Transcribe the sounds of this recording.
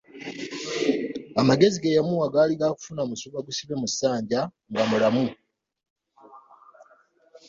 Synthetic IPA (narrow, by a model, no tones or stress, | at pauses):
amaɡe̞ziɡejamuaɡaːliɡaku̥funamusuβaɡusiβemusaːɲɟa | ŋɡamulamu